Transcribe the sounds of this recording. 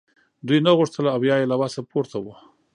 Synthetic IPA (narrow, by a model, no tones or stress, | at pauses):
d̪ujnaɣuʂt̪əlaːwjɑjelawɑsapoɾt̪ʰawə